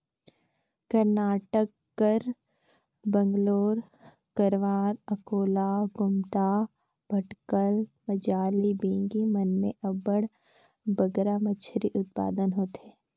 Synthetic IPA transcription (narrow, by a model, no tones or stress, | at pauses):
kəɾnaːʈəkːəɾ | bə̃ŋɡloːɾ | kəɾʋaːɾɐkoːlaɡʊmt̪a | bʱɐʈkəlməd͡ʒaːlibẽːŋɡimɐnːeʔɐbəɽ | bəɡɾamət͡ʃʰɾiʔʊt̪̚pa̰ːd̪ənɦoːt̪eː